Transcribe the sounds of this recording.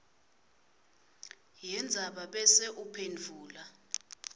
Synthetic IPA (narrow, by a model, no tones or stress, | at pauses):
jɛnd͡zʱaɓaɓɛsɛʔupʰend͡vʱuːla